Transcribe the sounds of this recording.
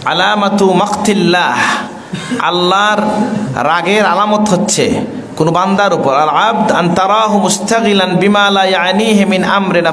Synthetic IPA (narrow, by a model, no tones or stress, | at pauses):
ʕa̰laːmat̪umɐqt̪ilːaːh | ʔa̰lːaɾː | aɡeɾalamot̪ɦotːɕʰḛ | konoband̪aɾupoɾalʕab̚d̪ant̪ɑɾˤɑːɦumʊst̪aɣilanbimalajaʕniːɦimɪnʔamɾina